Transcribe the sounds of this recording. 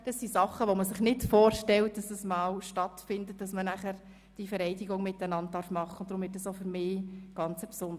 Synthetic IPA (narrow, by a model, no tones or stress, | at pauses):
d̥ɑsːisɑχːəʋoməsɪχnɪtfoːɾʃtɛlt̚d̥ɑsəsmɑːlʃtɑtfɪndətːd̥ɑsmənæχəɾ | d̥ifɛɾɛɪdiɡʊŋmɪtːænɑnt̚dɑɾfmɑχːəʊntdɾʊmvɪtdɑsoʊfʏɾmɪːɡ̥ɑnt͡səpsʊnd